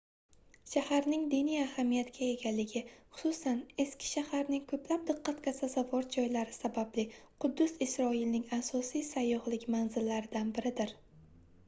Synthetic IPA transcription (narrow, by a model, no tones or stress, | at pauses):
ʃahaɾnɪŋd̪ɪnijahamijat̪kʲʰae̞ɡʲalːɪɡʲɪχʊ̥sʊsane̞skʲɪ̥ʃahaɾnɪŋkʰɵplap̚d̪ɨqʰːɑt̪kasazavɒɾd͡ʒɒjlaɾɪsabablɪqʰʊd̪ːʊzɪsɾɒɪlnɪŋasɒsijsajːɒhlɪkʲmanzɪlːaɾɪd̪anbɪɾɪd̪ɪɾ